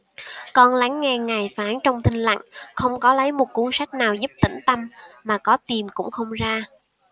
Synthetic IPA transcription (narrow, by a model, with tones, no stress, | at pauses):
kɔ˧nla˨˦ŋːɛ˧ŋa˨˩jfaː˨˦nt͡ɕɔ˧wŋ͡mt̪ʰï˧ŋ̟la̰˧˨ŋxə˧wŋ͡mkɔ˨˦lə˨˦jmo˨˩t̚ku˨˦nsa˦˥k̟̚naː˨˩wzu˦˥p̚t̪ï˧˩ŋ̟t̪ə˧mmaː˨˩kɔ˨˦t̪i˨˩mkʊ̰˧˥ŋ͡mxə˧wŋ͡mzaː˧